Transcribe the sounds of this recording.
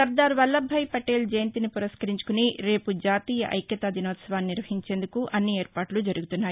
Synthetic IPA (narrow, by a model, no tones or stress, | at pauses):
ɐɾd̪aːɾʋɐlːɐbʱːɐjpɐʈeːld͡ʒɐjɐnt̪inipuɾɐskɐɾiɲt͡ʃu̥kuniɾe̞ːpud͡ʒaːt̪iːjɐʔɐ̰jkjɐt̪aːd̪ʱinoːt̪sɐʋaːnːiɾʋɐɦiɲt͡ʃe̞ːnd̪ukuʔɐnːieːɾpaːʈlud͡ʒɐɾuɡut̪unːaːji